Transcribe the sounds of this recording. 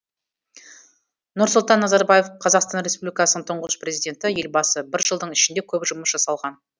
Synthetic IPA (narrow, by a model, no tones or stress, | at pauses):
nʊɾsʊlˠt̪ɑnːɑzɑɾbaje̞fqʰɑzɑqst̪ɑnɾʲe̞spublikɑsənəɴt̪ʰʊɴʁəspre̞zijd̪ʲe̞nt̪ɪje̞lbɑsəbɪɾʒəlˠd̪əɴɪʃɪnd̪e̞kʲʰɵbʒʊməsʒɑsɑlˠʁɑn